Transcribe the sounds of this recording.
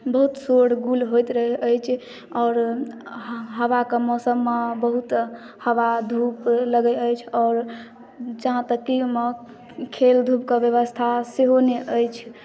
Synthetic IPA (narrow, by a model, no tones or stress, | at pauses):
bəɦut̪soɽɡulɦojt̪ɾəɦɛʔəjt͡ʃʰ | ɔːɾ | ɦəʋakemɔsəmːebəɦut̪ | həʋad̪ʱupləɡəəjt͡ʃʰɔːɾ | d͡ʒaɦãt̪əkːime | kʰeld̪ʱupkebjəβəst̪ʰaseɦoneʔəjt͡ʃʰ